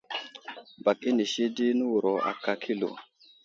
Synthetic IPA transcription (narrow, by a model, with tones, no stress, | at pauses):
ba˨ki˦ni˨ʃi˦di˦nu˦wu˨ɾo˨a̰˨ka˨kʰi˦lo̰˨